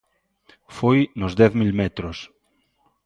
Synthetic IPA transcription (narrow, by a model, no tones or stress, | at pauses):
fojnʊzðɛθmilmɛt̪ɾos